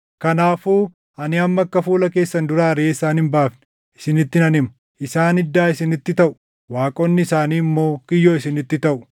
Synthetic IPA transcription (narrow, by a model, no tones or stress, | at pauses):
kɐnaːfuː | ɐnɪɐmːɐkːɐfuːlɐke̞ːsːɐnd̪ʊɾaːɾeːɪsaːnɪmbaːfnɪ̥ | ʔɪ̥sɪnɪt̪ːɪnɐnɪmɐ | ʔɪsaːnɪd̪ːaːɪsɪnɪt̪ːɪt̪ɐʔʊ̥ | waːkʼɔnːɪsaːniːɪmːo̞ːkɪjːo̞ːɪsɪnɪt̪ːɪt̪ɐʔʊ̥